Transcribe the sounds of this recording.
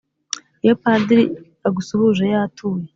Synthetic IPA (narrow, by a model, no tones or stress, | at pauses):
jopadiɾḭ | aɡusuβuʒejatʰuːje